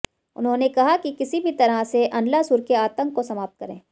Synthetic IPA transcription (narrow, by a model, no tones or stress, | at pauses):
ʊ̰nɦõːnekɐɦakikɪsibʱit̪ɐɾaseʔɐ̃nlasʊːɾkeaːt̪ə̃ŋkːosɐmaːp̚t̪̚kɐɾḛ̃ː